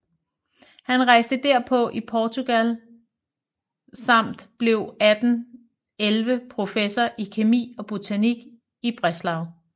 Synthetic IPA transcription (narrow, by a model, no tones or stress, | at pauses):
hænʁɑ̈ɪ̰sd̥əd̥æɐ̰pʰɒ̽ʔipʰɒːt͡sʰuɡ̥æl | sɑ̈m̰d̥b̥le̝ʊæd̥n̩ | elʋəpʰʁo̝fesɐʔikʰe̝mḭːɒ̽b̥ot͡sʰæniɡ̥ | ib̥ʁɛslɑ̈ʊ